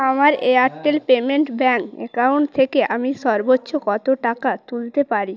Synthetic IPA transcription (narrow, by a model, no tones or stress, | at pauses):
amaɾeaɾʈːelpemenʈbɛŋkḛkawɳʈt̪ʰekeʔamiʃɔɾbotːɕʰokɔt̪oʈakat̪ult̪epaɾi